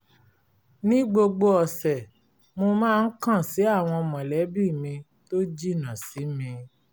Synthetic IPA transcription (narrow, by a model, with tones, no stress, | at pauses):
nĩ˦ɡ͡bo˧ɡ͡bo˧ɔ˨sɛ˨ | mo˧mãː˦˧n̩˦kã˦˨si˨˦a˦˨w̃ɔ̃˧mɔ̃˨lɛ˨˦bi˦˨mĩ˧ | to˦d͡ʒi˦˨nã˨si˨˦mĩ˧